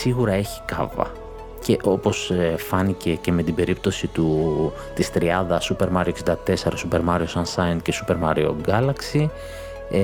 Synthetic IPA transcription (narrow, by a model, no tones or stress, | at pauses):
siɣuɾɐe̞çi̥kɐ̰vɐ̰ | ce̞ʔo̞po̞sfɐnice̞ce̞me̞t̪ibe̞ɾip̚t̪o̞sit̪u | t̪ist̪ɾiɐnðɐsupe̞ɾmɐɾioksind̪ɐt̪e̞se̞ɾɐsupe̞ɾmɐɾio̞sɐnsɐjɐnt̪ce̞supe̞ɾmɐɾio̞̰ɡɐlɐksi